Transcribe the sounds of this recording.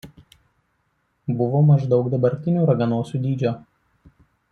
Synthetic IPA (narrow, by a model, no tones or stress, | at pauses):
bʊʋoːmɐʒd̪ɒʊkd̪ɐbɐɾʲt̪ʲɪnʲuːɾɐɡɐnoːsʲuːd̪ʲiːd͡ʒʲoː